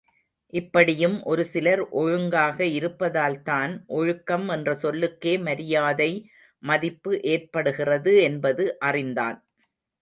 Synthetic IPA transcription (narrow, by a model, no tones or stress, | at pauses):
ʔɪpːɐɽɪjɯmʔɔɾɯsɪlɐɾʔɔɻɯŋɡaːɣɐɪɾɯpːɐðaːlt̪aːnʔɔɻɯkːɐmɛndrɐsɔlːɯkːeːmɐɾɪjaːðɐɪ | mɐðɪpːɯʔeːrpɐɽɯɣɪrɐðɯɛnbɐðɯʔɐrɪnd̪a̰ːn